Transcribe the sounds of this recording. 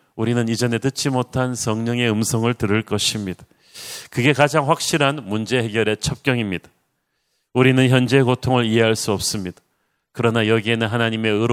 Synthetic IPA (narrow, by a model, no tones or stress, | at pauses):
uɾinɯnid͡ʑʌne̞tɯt͡ɕ͈imotʰansʌŋɲʌŋe̞ɯmsʰʌŋɯɭtɯɾɯɭk͈ʌɕʰimɲid̥ḁ | kɯɡe̞kad͡ʑaŋɸwak̚ɕ͈iɾɦanmund͡ʑe̞ɦe̞ɡjʌɾe̞t͡ɕʰʌp̚k͈jʌŋimɲidḁ | uɾinɯnçjʌnd͡ʑe̞kotʰoŋɯɾiɦe̞ɦaɭs͈uʌp̚s͈ɯmɲid̥ḁ | kɯɾʌnajʌɡie̞nɯnɦanaɲime̞ɯɾ